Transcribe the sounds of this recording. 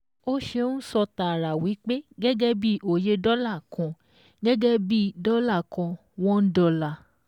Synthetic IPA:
o˦ʃe˧˦ũ˦sɔ˧ta˨ɾa˨wi˨˦k͡pe˦ɡɛ˦ɡɛ˦bi˦ʔo˨je˧dɔ˦la˦˨kɔ̃˨ | ɡɛ˦ɡɛ˦bi˦dɔ˦la˦˨kɔ̃˧ | w̃ɔ̃˦n̩˦dɔ˧la˨

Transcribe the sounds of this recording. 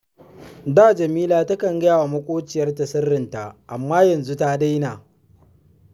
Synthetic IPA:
daː˦˨d͡ʒɐ˨miː˦laː˨ta˦kɐ˨ŋɡa˦jaː˨wa˨mɐ˦kʷʼoː˦t͡ʃɪ˨jɐ˦rtɐ˨sɐ˦rːɪ˨nta˨ʔa˨mːaː˦jɐ˨nzu˦ta˦da˦jnaː˨

